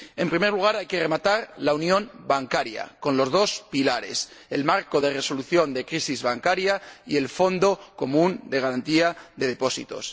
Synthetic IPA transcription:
e̞mpɾime̞ɾluɣ̞aɾajke̞re̞mat̪aɾlaunjõ̞nbaŋkaɾja̰ko̞nlo̞zðo̞spilaɾe̞̰se̞lmaɾko̞ðe̞re̞so̞luθjo̞nd̪e̞kɾisizβaŋkaɾjaie̞lfo̞nd̪o̞ko̞mũnd̪e̞ɣ̞aɾant̪iaðe̞ðe̞po̞sḭt̪o̞̰s

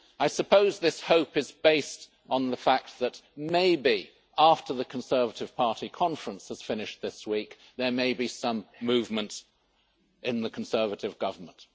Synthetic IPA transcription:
aɪsɨpʰoʊzðɪshoʊpɨzbeɪst | n̩ðəfæk̚t̚ðɨtmeɪbi | ʔæftə˞ðɨkʰn̩sɜ˞vəɾɨv̥pʰɑɹɾikʰɑ̃ɱfɹə̃nshəz̥fɪ̃nɨʃðɪswik | ðə˞meɪbisʌ̃mːʉvmɨ̃nt | ʔɪ̃nðɨkʰn̩sɜ˞vɨɾɨvɡʌvə˞mə̃nt

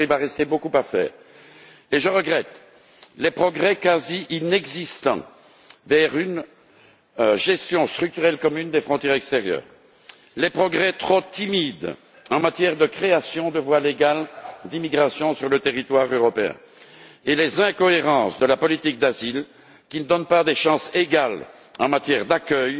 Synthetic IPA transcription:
ivaʁɛst̪ebokupafɛ̰ːʁ | eʒəʁəɡʁɛt̪ | lepχɔɡʁɛkaziʔinɛɡzist̪ɑ̰̃ | vɛʁyn | ʒɛst̪jɔ̃st̪χyk̚t̪yʁɛlkɔmynd̪efχɔ̃t̪jɛʁɛkst̪eʁjœ̰ːʁ | lepχɔɡʁɛt̪χot̪imid̪ | ɑ̃mat̪jɛʁd̪əkχeasjɔ̃d̪əvwaleɡald̪imiɡʁasjɔ̃syʁlət̪eʁit̪waʁøʁɔpeɛ̰̃ | elezɛ̃kɔeʁɑ̃sd̪əlapɔlit̪ik̚d̪azil | kʲinəd̪ɔnpad̪eʃɑ̃seɡal | ɑ̃mat̪jɛʁd̪akʲœj

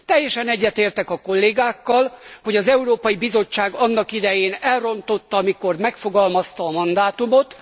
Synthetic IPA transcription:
t̪ɛjːɛʃɛnɛɟːɛt̪eːrt̪ɛkɒko̞lːeːɡaːkːɒlho̞ɟɒzɛuɾoːpɒjibizo̞t͡ʃːaːɡɒnːɒkid̪ɛjeːnɛlro̞nt̪o̞t̪ːɒɒmiko̞rmɛkfo̞ɡɒlmɒst̪ɒːmɒnd̪aːt̪umo̞t̪

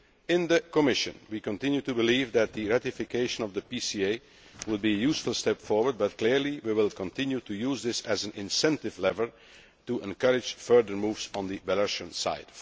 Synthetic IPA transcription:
ɪ̃nðəkəmɪʃɨ̰̃nwikə̃ntɪ̃njutubɪliːvðæt̪̚ðɨɹætɪfɪkʰeɪʃə̃nɔvðəpisieɪ | wʊd̚biɨjuːsfəlˠstɛpfɔɹwə˞d̚bʌt̚kl̥ɪɹliwiwɪlˠkə̃ntɪ̃njutʰujuːzðɪsæzæ̃nɪ̃nsɛ̃ntɪvlɛvəlˠ | tuʔɛ̃nkʌɹɪ̥d͡ʒ̥fɜ˞ðə˞muːvz̃n̩ðibæləʃə̃nsa̰ɪd̥

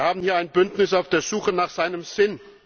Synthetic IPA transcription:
haːbm̩hiːɐaɪnbʏntnɪs̬aʊfd̥eːɐzuːxənaːχz̥aɪnəmz̥ɪn

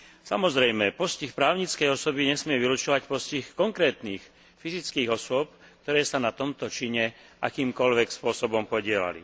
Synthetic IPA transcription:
samɔzɾɛjmɛpɔscixpɾaːʊɲit͡skɛjɔsɔbiɲɛsmɪɛʋilut͡ʃɔʋacpɔscixkɔŋkɾɛːt̪niːx | fizit͡skiːɣɔsʊɔp̚ | k̚t̪ɔɾɛːsanat̪ɔmt̪ɔt͡ʃiɲɛʔa̰kiːmkɔʎʋɛkspʊɔsɔbɔmpɔɟɪɛla̰lḭ

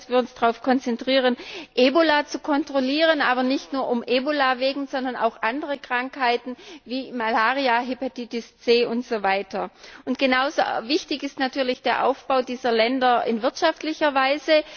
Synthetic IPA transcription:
sv̥iːɐʊnsd̥aʁaʊfkʰɔnt͡sɛntʁ̥iːʁənʔeːbolat͡sukʰɔntʁ̥oliːʁ̞ənʔaːbɐnɪçtnuːɐʔʊmʔeːbolaveːɡŋ̩zɔndɐna̰ʊxʔandəʁəkʁ̥aŋkhaɪtn̩viːmalaːʁiaɦipatitɪst͡seːʔʊntz̥ovaɪtʰɐʊntɡ̥ənaʊzoːvɪçtɪçɪstnatʰyːɐlɪçd̥eːɐʔa̰ʊfb̥aʊdiːzɐlɛndɐɪ̰nvɪɐtʃaftlɪçɐvaɪzə

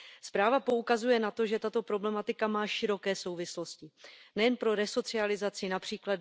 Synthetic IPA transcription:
spɾaːvapo̞ukazujɛnat̪o̞ʒɛt̪at̪o̞pɾo̞blɛmat̪ɪkamaːʃɪɾo̞kɛːso̞wvɪslo̞scɪnɛjɛnpɾo̞ɾɛso̞t͡sɪalɪzat͡sɪnapr̝̥iːklad

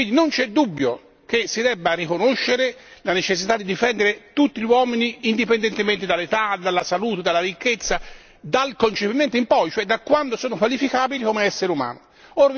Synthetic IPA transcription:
wind̪inont͡ʃɛd̪ːubːjo̰ | k̟esid̪ɛbːarikonoʃːeɾelanet͡ʃesːit̪ad̪id̪ifɛnd̪eɾet̪ut̪ːiʎwɔːminiːnd̪ipend̪ent̪ement̪ed̪alːet̪ad̪alːasaluːt̪ed̪alːaɾikːet̪sːa | d̪alkont͡ʃepiment̪oimpɔjt͡ʃoɛd̪akːwand̪osoːnokwalifikaːbilikomeɛsːeɾeuma̰ːno | oɾ

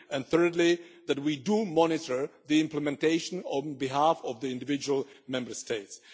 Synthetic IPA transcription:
ɨ̃nθɜ˞dˡliðæt̚widumɔnɪtə˞ðiɪ̃mpləmɛ̃nteɪʃə̃nɔ̃nbiɦafɔvðiɪ̃ndɪvɪd͡ʒuəlˠmɛ̃mbə˞steɪts

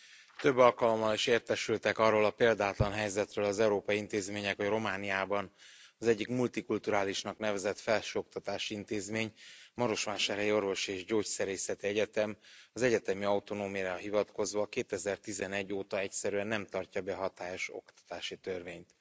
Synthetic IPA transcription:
t̪ø̞bːɒlkɒlo̞mːɒliʃeːrt̪ɛʃylt̪ɛkɒrːoːlɒpeːld̪aːt̪lɒnɦɛjzɛt̪røːlɒzɛuɾoːpɒjiint̪eːzmeːɲɛkho̞ɟro̞maːnijaːbɒnɒzɛɟːikmult̪ikult̪uɾaːliʃnɒknɛvɛzɛt̪fɛlʃøːok̚t̪ɒt̪aːʃiint̪eːzmeːɲmɒɾo̞ʃʋaːʃaːɾɛjio̞rvo̞ʃieːʒɟoːcsɛɾeːsɛt̪iɛɟɛt̪ɛmɒzɛɟɛt̪ɛmiɒwt̪o̞noːmijaɦivɒt̪ko̞zvɒkeːt̪ɛzɛrt̪izɛnɛɟːoːt̪ɒɛcsɛɾyɛnːɛmt̪ɒrcɒbɛɦɒt̪aːjo̞ʃo̞̰kt̪ɒ̥t̪aːʃit̪ørveːɲt̪

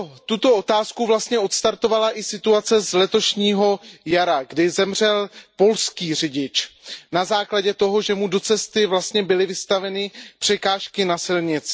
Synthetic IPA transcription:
t̪ut̪o̞o̞t̪aːskuvlast̪ɲɛʔo̞t̪st̪aɾt̪o̞valaʔɪsɪt̪uat͡sɛzlɛt̪o̞ʃɲiːɦo̞jaɾaɡdɪzɛmr̝ɛlpo̞lskiːr̝ɪɟɪt͡ʃnazaːklaɟɛt̪o̞ɦo̞ʒɛmudo̞t͡sɛst̪ɪvlast̪ɲɛbɪlɪvɪst̪avɛnɪpr̝̥ɛkaːʃkɪnasɪlɲɪt͡s

